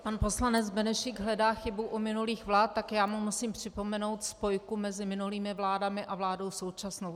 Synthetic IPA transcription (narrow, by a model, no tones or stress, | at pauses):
panpo̞slanɛd͡zbɛnɛʃɪɡɦlɛdaːxɪbuʔumɪnuliːxvlaːt̪ːakjaːmumusiːmpr̝̥ɪpo̞mɛno̞wt̪spo̞jkumɛzɪmɪnuliːmɪvlaːdamɪʔavlaːdo̞wso̞wt͡ʃasno̞w